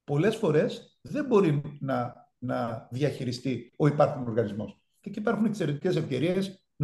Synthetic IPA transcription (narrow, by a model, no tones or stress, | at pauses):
po̞le̞sfo̞ɾe̞s | ðe̞mbo̞ɾinɐ | nɐðjɐçiɾist̪io̞ipɐɾxuno̞ɾɣɐnizmo̞s | ceciipɐɾxunekse̞ɾe̞t̪ice̞se̞fce̞ɾie̞s | n